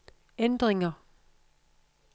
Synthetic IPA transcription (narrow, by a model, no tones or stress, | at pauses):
end̥ʁeŋɐ